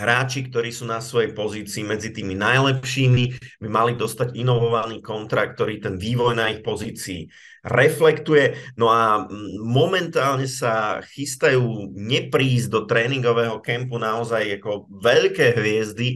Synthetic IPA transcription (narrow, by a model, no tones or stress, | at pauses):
ɦɾaːt͡ʃikt̪ɔɾiːsuːnasʋɔjɛjpɔziːt͡siːmɛd͡zit̪iːminajlɛpʃiːmibimalid̪ɔst̪aɟinɔʋɔʋaniːkɔnt̪ɾak̚t̪ɔɾiːt̪ɛnʋiːʋɔjnaixpɔziːt͡sḭː | ɾɛflɛkt̪ujɛnɔamɔmɛnt̪aːlɲɛsaxist̪ajuːɲɛpɾiːzd̪ɔt̪ɾɛːniŋɡɔʋɛːɦɔkɛmpunaɔzajakɔʋɛʎkɛːɦʋɪɛzd̪i